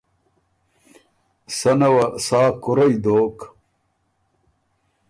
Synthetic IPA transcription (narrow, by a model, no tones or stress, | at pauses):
sɐnɐwɐsaːkuɾɐjd̪oːk